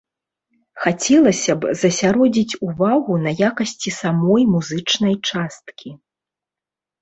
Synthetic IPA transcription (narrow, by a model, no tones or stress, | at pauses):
xat͡sʲɛlˠɐsʲɐbzɐsʲaɾɔd͡zʲit͡sʲuvaɣunɐjakɐsʲt͡sʲisamɔjmuzɨt͡ʂnɐjt͡ʂast̪kʲʰi